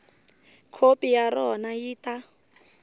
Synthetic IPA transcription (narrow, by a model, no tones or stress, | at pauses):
kʰopijaɾɔnajiːta